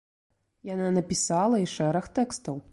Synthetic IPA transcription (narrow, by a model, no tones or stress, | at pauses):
jananɐpʲisalˠɐiʂɛɾɐxt̪ɛkst̪ɐw